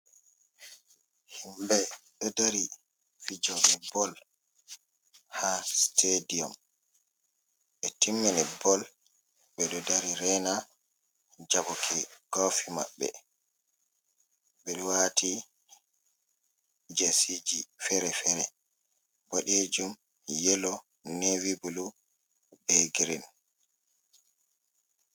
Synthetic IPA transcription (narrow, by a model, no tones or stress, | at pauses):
himbɛɗɔdaɾi | fid͡ʒɔɡɛbɔl | hastʰediɔm | ʔɛtimːɛnɛbɔl | ɓɛɗɔdaɾiɾɛna | d͡ʒabɔkʰɛɡ̥ofima̰ɓːɛ̰ | bɛwatʰi | d͡ʒesid͡ʒifɛɾɛfɛɾɛ | boɗed͡ʒum | jɛlɔ | newibulu | bɛɡɾin